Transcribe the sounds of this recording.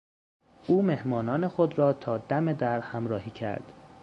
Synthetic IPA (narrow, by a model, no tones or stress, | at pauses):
ʔuːme̞hmɒːnɒːne̞xod̪ɾɒːt̪ʰɒːd̪æme̞d̪æɾhæmɾɒːhiːcʰæ̰ɾd̪̥